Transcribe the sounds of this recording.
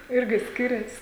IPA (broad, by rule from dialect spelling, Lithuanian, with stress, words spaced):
ˈɪrʲɡʲɪ ˈsʲkʲɪrʲɛs